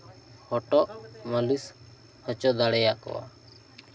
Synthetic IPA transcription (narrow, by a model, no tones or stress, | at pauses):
hɔʈɔʔməɖis | hət͡ʃɔd̪aɽɛjaʔkɔ̰wa̰